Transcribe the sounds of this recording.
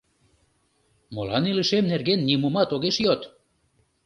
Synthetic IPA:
molɑniləʃemnerɣenːimumɑt̪oɣeʃjot̪

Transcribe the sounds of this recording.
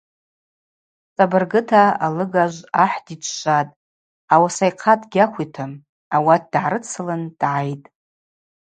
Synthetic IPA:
t͡sʼabɨrɡɨtʰaalɨɡaʒʷaħdit͡ʃʷʰʃʷʼatʼ | awasajqʰadɡʲakʷitʰɨm | awat̚ʰd̥ʕaɾɨt͡sʰɨlɨnd̥ʕajtʼ

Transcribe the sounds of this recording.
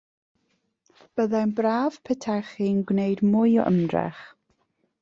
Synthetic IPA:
b̥əðajnbraːv̥pʰɛtʰɛχinɡwnejdmʊjɔ̰ʔə̰mdrɛ̰χ

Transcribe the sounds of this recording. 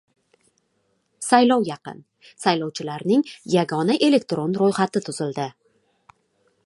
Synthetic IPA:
sajlɒwjɑqɨ̰n | sajlɒwt͡ʃʰɪlaɾnɪŋjaɡɒnaʔe̞le̞k̚t̪ɾo̞nɾojχat̪ɪt̪ʰʊz̥ɪld̪ɪ

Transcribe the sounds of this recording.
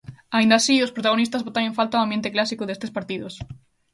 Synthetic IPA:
aind̪asiospɾot̪aɣonist̪azβot̪aɾjẽɱfalt̪aoambjent̪ɪklasikoðest̪espaɾt̪iðos

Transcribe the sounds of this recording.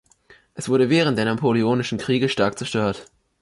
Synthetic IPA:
ʔɛsv̥ʊɐdəvɛːʁ̞əntd̥eːɐnapʰolioːnɪʃn̩kʁ̥iːɡəʃtaɐk̚t͡sɛɐʃtøːɐt

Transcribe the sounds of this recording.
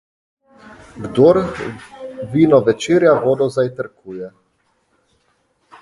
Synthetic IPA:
ɡd̪oɾ | vinɔʋɛt͡ʃiɾjavoːd̪ɔzajt̪əɾkʰujɛ

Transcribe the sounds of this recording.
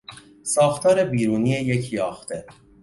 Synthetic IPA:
sɒːxt̪ʰɒːɾe̞biːɾuːnijejecʰjɒːxt̪ʰe̞

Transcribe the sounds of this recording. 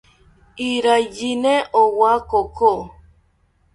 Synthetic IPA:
iɾajinɛʔowakoko

